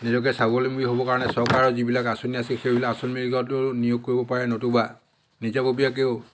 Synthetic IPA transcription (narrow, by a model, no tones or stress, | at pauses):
nizɔk̬ɛsabɔlemuɡiɦobɔkaɹɔnɛsɔɹkaɹɔzibilakasoniasixebilakasɔlmiliɡɔtʊnijoɡ̚kːoɹibɔpaɹɛnotuba | nizabobijak̬eʊ